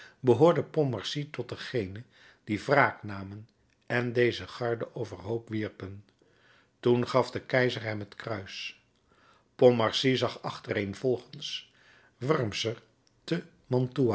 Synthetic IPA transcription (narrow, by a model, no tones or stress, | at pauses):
bəɦʊːɹdəpɔmɑɹsitɔt̚dəχejnə | d̥ivraːknaːmən | ɛndejzəχɑɹdəʔowvəɹɦowpʋiɹpən | tunχɑfdəkɛjzəɹɦɛmɦətkrœɥs | pɔmɑɹsizɑχɑχtərejnv̥ɔlˠχəns | ʋɑɹmsər | tə | mɔntua